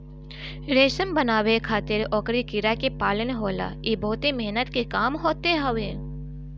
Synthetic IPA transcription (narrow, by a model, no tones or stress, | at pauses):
ɾeːʃəmbənaːwekʰaːt̪ɪɾɔːkɾikɪɾakepaːlənɦoːla̰ebɔɦʊt̪emeɦnət̪kekaːmɦoːt̪eɦɐʋẽː